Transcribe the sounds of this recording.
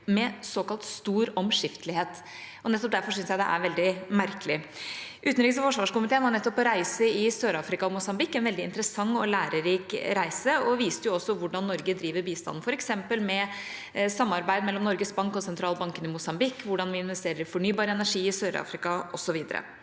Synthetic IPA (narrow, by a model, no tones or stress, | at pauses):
mɛsoːkɑlt̪st̪uːɾɔmʂɪft̪əlɪheːt̪ | ɔnɛt̪ːɔp̚d̪æɾfɔʂ̬ʏnsjæɪd̪ɛ̰ʔæ̰ɾʋɛld̪ɪmæɾkəlɪʔʉːt̪nɾɪːɡs̬əfɔʂʋɑːʂkʊmɪt̪ʰeːənhɑɾnɛt̪ːɔpːɔɾæɪsəɪsøːɾɑːfɾɪkɑɔmʊsɑmbɪkːɛnʋɛld̪ɪɪ̰nt̪əɾəsɑŋːɔlæːɾəɾiːkɾæɪsəɔʋiːst̪əjʊɔsːɔʋʊɖɑnːɔɾɡəd̪ɾiːʋəɾbiːst̪ɑ̰nn̩fɔɾɛksɛmpəlmɛ | sɑmːɑɾbæɪd̪mɛlːɔmnɔɾɡəsbɑŋkɔsɛnt̪ʰɾɑːlbɑŋkənɪmʊsɑmbɪkːʋʊɖɑnʋɪɪnʋɛst̪eːɾəɾfɔɳyːbɑːɾəɛnæʂiːɪsøːɾɑ̰ːfɾɪkɑʔɔsɔʋiːd̪ə̰ɾə̰